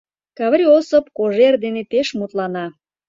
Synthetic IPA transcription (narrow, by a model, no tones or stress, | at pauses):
kɑβɾʲiosəpkoʒerd̪enet̪eʃmut̪lɑnɑ